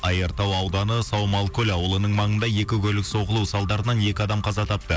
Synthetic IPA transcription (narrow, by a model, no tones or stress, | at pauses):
ɑjəɾt̪ɑwɑwd̪ɑnəsɑwmɑlˠkʰʲɵlʲɑwəlˠənəɴmɑɴənd̪ɑje̞kʲɪkʲʰɵlɪkso̞ʁəlˠuwsɑlˠd̪ɑɾənɑne̞kʲɪɑd̪ɑmqʰɑzɑt̪ʰɑp̚t̪ə